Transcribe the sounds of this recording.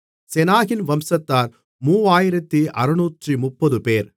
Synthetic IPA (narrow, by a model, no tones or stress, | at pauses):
sɛnaːɣɪnʋɐmsɐt̪ːaːɾ | muːaːjɪɾɐt̪ːiʔɐɾɯnuːʈrimʊpːɐðɯpeːɾ